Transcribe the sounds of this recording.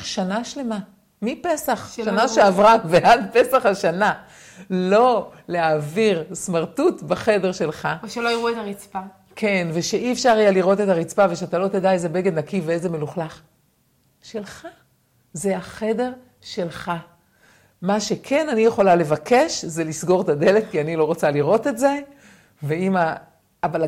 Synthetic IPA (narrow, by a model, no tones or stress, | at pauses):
ʃanaʃle̞ma | mipe̞saχʃanaʃeavʁaveʔadpe̞saχaʃana | lo̞leaːviʁsmaʁtutbaχe̞de̞ʁʃe̞lχaʃelojiʁuetaʁit͡spa | kʰe̞nveʃeiefʃaʁajaliʁo̞te̞taʁit͡spave̞ʃeatalo̞t̪edaezebe̞ɡednakiveezeme̞luχlaχ | ʃe̞lχa | zeaχe̞de̞ʁ | ʃe̞lχa | maʃe̞kʰe̞nanije̞χo̞lale̞vake̞ʃzelisɡo̞ʁet̪ade̞let̪̚kianilo̞ʁot͡saliʁo̞te̞tze̞ | veimaː | ba